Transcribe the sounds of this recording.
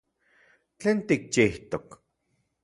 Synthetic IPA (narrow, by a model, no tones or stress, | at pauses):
t͡ɬeːnt̪ik̚t͡ʃiht̪ok